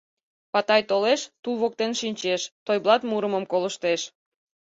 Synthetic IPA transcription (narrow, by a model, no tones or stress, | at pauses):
pɑt̪ɑjt̪oleʃt̪ulβok̚t̪enʃinʲt͡ɕeʃt̪ojblˠɑt̪muɾəməmkoləʃt̪eʃ